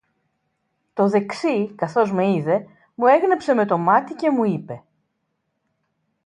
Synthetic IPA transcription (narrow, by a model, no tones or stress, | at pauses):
t̪o̞ðe̞ksikɐθo̞zme̞iðe̞ | mue̞ɣnepse̞me̞t̪o̞mɐt̪ice̞muipe̞